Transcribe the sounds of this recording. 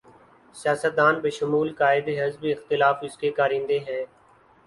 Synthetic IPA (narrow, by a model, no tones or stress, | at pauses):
sɪjaːsət̪̚d̪aːnbeːʃʊmuːlkaːɪd̪eɦɪzbiɪxt̪ɪlaːfɪskekaːɾɪ̃nd̪eɦɛ̃ː